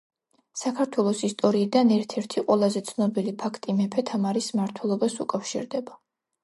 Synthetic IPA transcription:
sakʰaɾt̪ʰwɛlˠɔsist̪ʼɔɾiːd̪anɛɾt̪ʰɛɾt̪ʰiqʼwɛlˠazɛt̪sʰnɔbilipʰakʰt̪ʼimɛpʰɛt̪ʰamaɾismaɾt̪ʰwɛlˠɔbasṵkʼafʃḭɾd̪ɛba

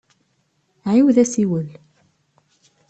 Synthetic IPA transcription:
ʕiwðæsiwəl

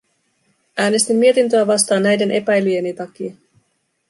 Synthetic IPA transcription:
æːne̞st̪imːie̞t̪int̪øæʋɑst̪ɑːnːæjde̞nʔe̞pæjlyje̞nit̪ɑk̟iɑ

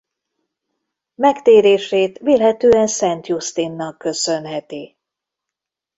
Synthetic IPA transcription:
mɛkt̪eːɾeːʃeːt̪ʋeːlɦɛt̪øːɛnsɛnt̪just̪inːɒkːø̞sønɦɛt̪i

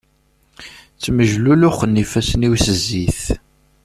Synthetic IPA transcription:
t͡sːməʒlulʊχənːifæsəniwsəzːiθ

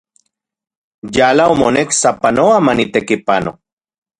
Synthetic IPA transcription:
jalaomoneksapanoamanit̪ekipano

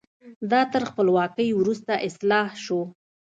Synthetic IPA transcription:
d̪ɑt̪əɾxpəlwɑkəjwɾust̪aʔɪslɑhʃo

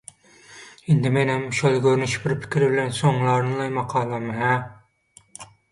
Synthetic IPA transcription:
ɪnd̪ɪmenɪmʃolˠɡʲøɾnyʃbɪɾpʰɪ̥kʲʰɾɪbɪlɛnsoŋlˠɑɾnɨlˠɑjmɑqʰɑːlˠɑmɨɦɛ

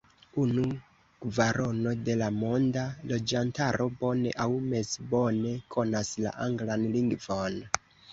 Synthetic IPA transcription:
unu | ɡvaɾo̞no̞de̞lamo̞ndalo̞d͡ʒantaɾo̞bo̞ne̞̰ʔawme̞sbo̞ne̞kʰo̞nasla̰ʔaŋɡlanliŋɡvon

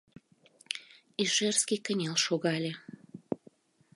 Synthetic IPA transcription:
iʒerskikənʲelʃoɣɑlʲe

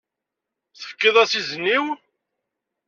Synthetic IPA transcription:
θə̥fkːɪðˤæsizənːiw

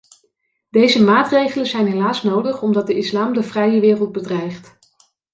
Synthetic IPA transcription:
d̥ejzəmaːtrejχələnzɛjnɦelaːsnowdəχɔmdɑt̚dəɪslaːmdəvrɛjəʋɪːrəlˠd̚bədrɛjχt

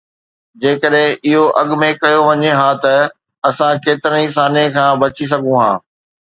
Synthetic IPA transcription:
d͡ʑeːkəɗɦɪ̃ʔɪɦoʔɐɠmẽkɐjoʋɐɲeɦãːt̪ɐ | ɐsãkeːt̪ɪɾənis̬aːnekʰãːbɐt͡ɕis̬ɐɡʱũɦã̰ː

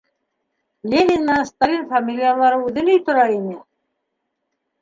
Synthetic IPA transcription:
lʲenʲinːɑŋst̪alʲinfamʲilʲijalˠɑɾɤʉðɘnɵjt̪ŏɾɑinɘ

